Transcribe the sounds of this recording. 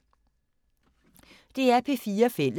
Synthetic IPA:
d̥e̝æɐpʰe̝fiːɐfel̰ə

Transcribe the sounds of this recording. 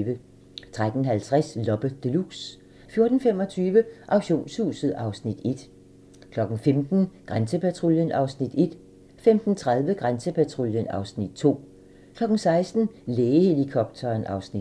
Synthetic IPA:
ʋə | t͡sʰʁad̥n̩ɦælt͡sʰʁaslɒ̽b̥əd̥e̝luɡ̥s | fjo̝ɐd̥n̩femɒ̽t͡sʰyːʋəʔɑ̈ʊɕo̝̰ːnshṵːsð̩ˠɑ̈ʊsnid̥e̝d̥ | kʰlɒ̽ɡ̥n̩femd̥n̩ɡ̥ʁansəpʰæt͡sʰʁoljənʔɑ̈ʊsnid̥e̝d̥ | femd̥n̩t͡sʰʁað̞ˠʋəɡ̥ʁansəpʰæt͡sʰʁoljənɑ̈ʊsnid̥̚t͡sʰo̝̰ː | kʰlɒ̽ɡ̥n̩sɑ̈ɪsd̥n̩leːəhelikʰɒb̥̚t͡sʰɐːnɑ̈ʊsni̥

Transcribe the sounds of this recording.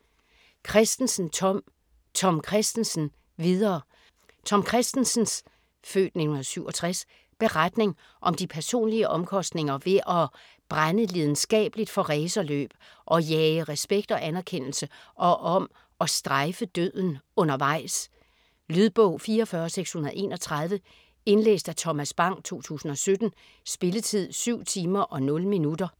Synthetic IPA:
kʰʁɛsd̥n̩sn̩ | t͡sʰɒ̽mkʰʁɛsd̥n̩sn̩ | ʋið̞ˠɐː | t͡sʰɒ̽mkʰʁɛsd̥n̩sn̩s | fø̰ːd̥ne̝hun̩ðˠsyʊ̰ɒ̽t͡sʰʁas | b̥e̝ʁad̥ne̝ŋ | ʔɒ̽md̥ipʰæɐso̝̰ːnliəʔɒ̽mkʰɒ̽sd̥ne̝ŋɐʋe̝ʔɒ̽ | b̥ʁanəleð̞ˠn̩sɡ̥ɛ̰ːb̥lid̥fɒ̽ʁɛːsɐlø̰ːb̥ | ʔɒ̽jɛːəʁɛsb̥eɡ̥̚d̥ɒ̽ʔænæɐkʰen̰l̩səʔɒ̽ʔɒ̽m | ɒ̽sd̥ʁaɪfəd̥øð̰ˠn̩ɔ̽nɐʋɑ̈ɪ̰s | lyðˠb̥ɔʊ̰fiːɐɒfɶɐseɡ̥shunɐðˠe̝̰ːnɒ̽t͡sʰʁɑ̈ð̞ˠʋə | e̝nlḛːsd̥æt͡sʰɒ̽mæsb̥ɑ̈ŋ̰t͡sʰo̝̰ːt͡sʰṵːsn̩ɒ̽sød̥n̩ | sb̥e̝lət͡sʰið̞̰ˠsyʊ̰t͡sʰiːmɐʔɒ̽nɔ̽l̩minud̥ɐ

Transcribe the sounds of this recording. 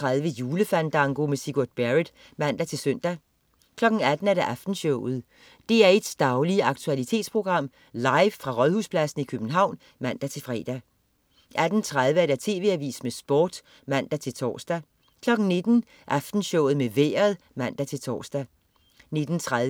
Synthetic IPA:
ʁaðˠʋəjuːləfænd̥ɑ̈ŋɡ̥o̝mesiɡ̥oɐd̥̚b̥æʁid̥ | mæn̰d̥æt͡sʰe̝lsøn̰d̥æ | kʰlɒ̽ɡ̥n̩æd̥n̩æɐɾ̥eʔæfd̥n̩ɕɔʊ̰ð̞̩ˠ | d̥e̝æɐed̥sd̥ɑ̈ʊliəɑ̈ɡ̥̚t͡sʰuælit͡sʰe̝̰ːd̥spʰʁo̝ɡ̥ʁɑ̈m̰ | lɑ̈ɪʋfʁɑ̈ʁɒðˠhuspʰlæsn̩ikʰøb̥n̩ɦɑ̈ʊ̰n | mæn̰d̥æt͡sʰe̝lfʁɛ̰ːd̥æ | ʔæd̥n̩t͡sʰʁað̞ˠʋəæɐɾ̥æt͡sʰe̝ːʋe̝æʋḭːsmesb̥ɒ̰ːd̥ | mæn̰d̥æt͡sʰe̝lt͡sʰɒ̰ːsd̥æ | kʰlɒ̽ɡ̥n̩ne̝d̥n̩ | ʔæfd̥n̩ɕɔʊð̩ˠmeʋḛːɐð̩ˠ | mæn̰d̥æt͡sʰe̝lt͡sʰɒ̰ːsd̥æ | ne̝d̥n̩t͡sʰʁað

